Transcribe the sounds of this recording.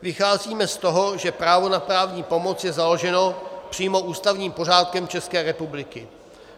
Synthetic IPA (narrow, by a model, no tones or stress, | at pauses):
vɪxaːziːmɛst̪o̞ɦo̞ʒɛpɾaːvo̞napɾaːvɲiːpo̞mo̞t͡sjɛzalo̞ʒɛno̞pr̝̥iːmo̞ʔuːst̪avɲiːmpo̞r̝aːt̪̚kɛmt͡ʃɛskɛːɾɛpublɪkɪ